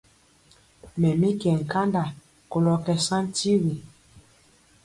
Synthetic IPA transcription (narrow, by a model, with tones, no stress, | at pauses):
mɛ˨mi˦kɛ˨ŋ̩˨ka˦nda˨ | ko˨lɔ˨kɛ˨sã˦n˦ti˦ɣi˨